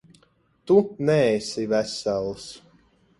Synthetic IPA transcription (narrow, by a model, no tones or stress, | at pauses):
t̪unɛesivæsælˠs